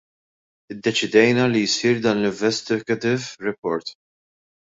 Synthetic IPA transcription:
ɪd̪ːɛt͡ʃɪd̪ɛjnɐlijsiːɾd̪ɐːnlɪɱvɛst̪ɪɡɐt̪ɪvɾɛpɔɾt̪

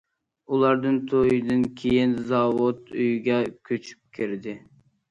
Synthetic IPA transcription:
ulˠɑɾd̪ɨnt̪ʰojid̪ɨnkʲʰejinzɑwʊt̪yjɡʲɛkʲʰøt͡ʃʰy̥p̚kʲʰɪɾd̪ɪ

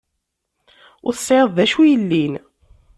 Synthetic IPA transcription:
ʊɾθə̥sːʕeðˤðæʃujəlːin

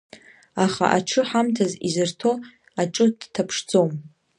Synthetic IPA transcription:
aχa̰ʔaʈ͡ʂʰɨħamtʰazizɨrtʰo̞ | aʈ͡ʂʼɨd̥tʰapʰʂd͡zo̞m

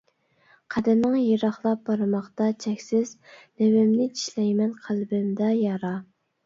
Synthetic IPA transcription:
qʰæd̪ɪmnɪŋjeɾɑχlˠɑp̚bɑɾɨmɑχt̪ɑt͡ʃʰɛkʲsɪznewɪmnɪt͡ʃi̥ʃlɛjmɛnqʰælbɪmd̪ɛjɑɾɑ

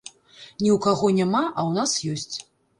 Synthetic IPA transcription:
nʲiwkaɣɔnʲamaʔɐwnasjɔsʲt͡sʲ

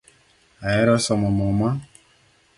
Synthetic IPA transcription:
ajɛɾɔsɔmɔmɔma

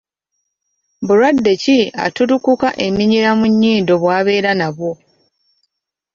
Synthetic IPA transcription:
buɾwadːe̞cia̰tuɾukukaʔe̞miɲiɾamuɲːiːndo̞βwaːβe̞ːɾanaβwo̞

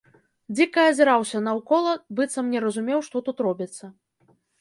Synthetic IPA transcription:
d͡zʲikɐɐzʲɛɾawsʲɐnɐwkɔlˠɐbɨt̪sɐmnʲɛɾɐzumʲɛwʂt̪ɔt̪ut̪ɾɔbʲit̪sːɐ

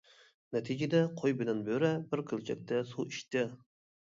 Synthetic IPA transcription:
nɛt̪ʰid͡ʒɪd̪ɛqʰojbɪd̪ɪnbøɾɛbɪɾkʲʰølt͡ʃʰɛk̚ʲt̪ʰɛsuʔiʃt̪ɪ

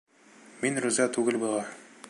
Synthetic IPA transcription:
minɾʉzæt̪ʉɡɘlbŭlˠɑ

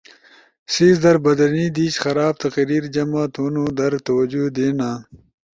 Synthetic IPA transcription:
siːzd̪ɐɾbɐd̪ɐɾniːd̪iːt͡ɕxɐɾaːb̚t̪ɐqɾiːɾd͡ʑɐmat̪ʰunuːd̪ɐɾt̪ɐwɐd͡ʑud̪eːnaː

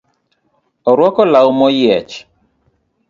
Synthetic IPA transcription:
ɔɾwɔkɔlawmɔjɛt͡ʃ

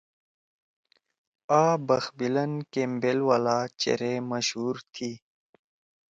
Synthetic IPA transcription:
aːbəxbilənkeːmbelwaːlaːt͡ɕḛɾeməɕɦuːɾt̪ʰiː

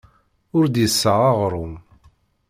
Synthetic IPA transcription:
ʊɾd̪jəsːəʁɑʁɾˤʊm

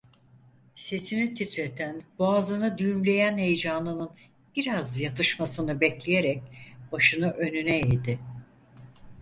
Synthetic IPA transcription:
se̞sinit̪ʰit̪ɾet̪ʰænboaːzɯnɯd̪yjymlʲe̞jænhe̞jd͡ʒanlˠɯnɯn | b̥iɾazjat̪ʰɯʃmasɯnɯbɛclʲejeɾɛc̚b̥aʃɯnɯʔø̞nynɛejd̪ɪ

